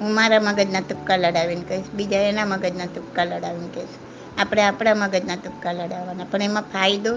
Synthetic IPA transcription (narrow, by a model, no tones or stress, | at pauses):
ɦũmaɾaməɡəd͡ʒnat̪ʊkːaləɽaʋinkəɾiʃbid͡ʒaenaməɡəd͡ʒnat̪ʊkːaləɽaʋinkəʃu̥ | apɽ̃eapɽ̃aməɡəd͡ʒnat̪ʊkːaləɽaʋanapəɳemãpʰajd̪o